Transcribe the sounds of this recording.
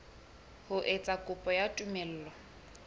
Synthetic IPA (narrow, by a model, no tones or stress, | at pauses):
hʊʔet͡sʼakʼʊpʼɔjatʼumɛl̩ːlɔ